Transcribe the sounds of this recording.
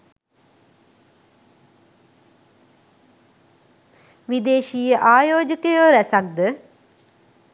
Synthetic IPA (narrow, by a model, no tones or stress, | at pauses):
ʋid̪eːʃijəʔaːjoːd͡ʒəkəjoːɾæsak̚d̪ə